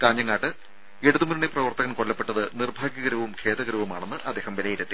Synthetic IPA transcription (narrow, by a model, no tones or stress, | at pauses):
kaːɲːɐŋːaːʈːɨ | eɽuðumunɳeprɐʋɐrt̪ɐɣɐmkolːɐpːe̞ʈːɐðɨnirbʱaːɡjɐɣɐɾɐʋumkʰe̞ːt̪ɐɣɐɾɐʋumaːɳe̞nːɨʔɐd̪ːe̞ːhɐmʋelɐjiɾɐt̪ːi